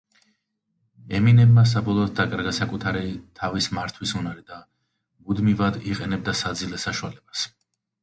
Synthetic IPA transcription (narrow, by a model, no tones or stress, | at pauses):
ɛminɛbmas̬abɔlˠɔːd̪̚d̪akʼaɾɡasakʼut̪ʰaɾit̪ʰavismaɾt̪ʰwisunaɾid̪a | mud̪mivad̪iqʼɛnɛb̚d̪asad̪zilɛsaʃualɛbas